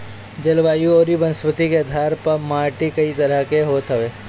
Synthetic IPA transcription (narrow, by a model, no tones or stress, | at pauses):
d͡ʒɐlʋaːjuoːɾibɐnsʋət̪ikeɐd̪ʱaːɾpɐɾmaːɾʈikɐit̪ɐɾəɦkeɦoːt̪ɦəʋeː